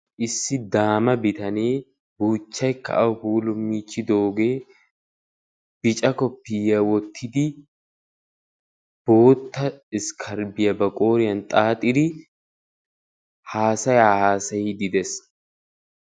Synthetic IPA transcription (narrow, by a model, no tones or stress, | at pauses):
ʔɪsːɪd̪aːmɐbɪt̪ɐneː | buːt͡ʃːɐjkːɐ̰ʔɐwhuːlʊmːiːt͡ʃːɪd̪o̞ːɡe̞ː | b̥ɪt͡ʃʼɐkɔpːiːjɐwɔt̪ʰːɪd̪ɪ | b̥o̞ːt̪ːɐɪskʰɐɾbɪjɐbɐkʼo̞ːɾɪjɐnt̪ʼaːt̪ʼɪd̪ɪ | haːsɐjaːhaːsɐjɪd̪ɪd̪ɛs